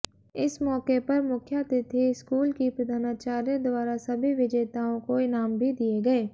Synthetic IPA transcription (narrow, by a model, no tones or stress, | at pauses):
ɪsmɔːkepɐɾmʊkʰjat̪et̪ʰiɪskuːlkipɾɐd̪ʱaːnaːt͡ʃaːɾijõd̪ʊaːɾasɐbʱiʋɪd͡ʒeːt̪aːõkoɪnaːmbʱid̪ieɡɐeː